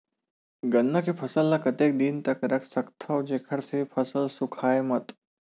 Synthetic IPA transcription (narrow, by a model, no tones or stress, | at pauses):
ɡənːəkepʰɐsəlːakɐt̪eːk̚d̪int̪ɐkɾɐksɐkt̪ʰəwd͡ʒekʰəɽsepʰəsəlsukʰaːemət̪